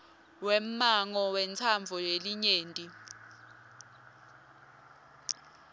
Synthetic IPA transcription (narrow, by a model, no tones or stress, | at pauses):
wɛm̩maŋɔwɛnt͡sʰaɱvʱɔjeliɲeːntʼi